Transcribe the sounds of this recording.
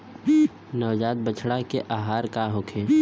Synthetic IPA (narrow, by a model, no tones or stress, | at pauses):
nəʋd͡ʒaːt̪̚bət͡ʃʰɽakeʔaːɦaːɾkaɦokʰeː